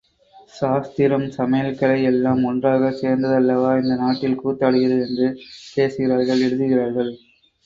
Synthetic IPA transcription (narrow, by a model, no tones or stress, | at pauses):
ʂaːst̪ɪɾɐmsɐmɐjɐlkɐlɐɪɛlːaːmɔndraːɣɐseːɾnd̪ɐðɐlːɐʋaːɪnd̪ɐnaːʈːɪlkuːt̪ːɐːɽɯɣɪɾɐðɯɛndrɯpeːsɯɣɪɾaːɾɣɐɭɛɽɯðɯɣɪraːɾɣɐɭ